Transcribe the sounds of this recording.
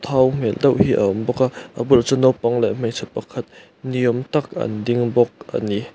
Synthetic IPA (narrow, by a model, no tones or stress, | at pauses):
t̪ʰawm̥ɛld̪ɐwʔhiʔə̰ɔmbɔkaʔʔəbʊlt͡sɔnɔwpɐŋlɛʔm̥ejsʰɛt̪̚pɐkʰɐt̪̚ | nijɔmt̪ɐkɐ̰ndɪŋbɔk̚ʔɐ̰ni